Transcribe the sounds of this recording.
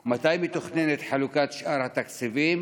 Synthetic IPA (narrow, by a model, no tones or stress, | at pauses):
mat̪ajmit̪uχnenet̪ħalukat̪ʃʔaɾhat̪akt͡siviːm